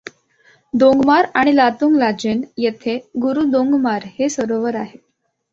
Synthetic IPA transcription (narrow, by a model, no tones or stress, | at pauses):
d̪õŋɡmaɾaɽ̃ilat̪uŋɡlad͡ʑenjet̪ʰeɡuɾud̪oŋɡmaɾhesəɾoʋəɾaɦe